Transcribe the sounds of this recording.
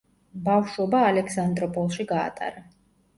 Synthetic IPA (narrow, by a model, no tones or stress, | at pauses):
bafʃɔbaːlɛkʰsand̪ɾɔpʼɔlˠʃiɡa̰ːt̪ʼa̰ɾa